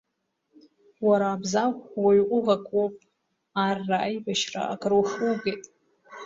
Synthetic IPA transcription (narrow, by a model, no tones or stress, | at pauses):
waɾaːbzawwaɥqʷʼʊʁakʷʼwopʼ | arːaʔajbaʃra̰a̰kʰʼrowʂuɡejtʼ